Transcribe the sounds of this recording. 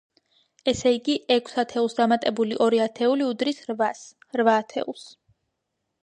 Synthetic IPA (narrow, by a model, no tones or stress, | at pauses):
ɛsɛiɡiʔɛkʰsat̪ʰɛulˠsd̪amat̪ʼɛbuliʔɔɾiat̪ʰɛuliud̪ɾisɾvas | ɾvaːt̪ʰɛ̰ulˠs